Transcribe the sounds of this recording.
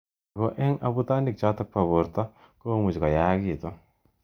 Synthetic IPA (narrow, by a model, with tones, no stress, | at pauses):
ɡo˨ʔɛ˦ŋa˨bu˦t̪a˦ni˨k̚t͡ʃa˦t̪a˦k̚pa˨bo˨ɾt̪a˦ | koː˦mu˨d͡ʒka˨ja˦ki˨t̪ɔ˦